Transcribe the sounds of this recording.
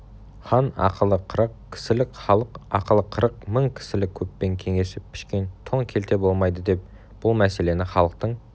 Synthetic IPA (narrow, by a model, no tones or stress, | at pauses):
χɑnɑ̰qʰəlˠəqʰəɾəqkʲʰɪ̥sɪlɪkʲχɑlˠəqɑqʰəlˠəqʰːəɾəqməɴkʲʰɪ̥sɪlɪk̚ʲʰɵpːe̞ŋkʲʰe̞ŋe̞sɪppːʰɪ̥ʃkʲe̞nt̪ʰoŋkʲʰe̞lt̪e̞bolˠmɑjd̪əd̪e̞p̚ | b̥ʊlˠmæse̞le̞nɪχɑlˠəq̚t̪əɴ